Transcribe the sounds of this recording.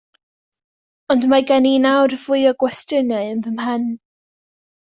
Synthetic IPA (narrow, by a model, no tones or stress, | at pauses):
ɔndmaɡaninawrvʊɨɔɡwɛstənaɨənðəmhən